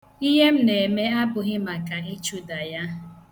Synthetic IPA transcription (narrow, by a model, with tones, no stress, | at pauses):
i˦ɦe˦m̩˦ne˨me˦a˦bʊ˨ɣɪ˦ma˨ka˨i˦t͡ʃu˦da˨ja˦